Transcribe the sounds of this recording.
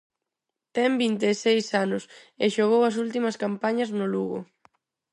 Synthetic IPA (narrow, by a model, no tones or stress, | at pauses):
t̪ɛmbint̪esejsanʊseʃoɣowɐs̬ult̪imɐskampaɲɐznʊluɣʊ̰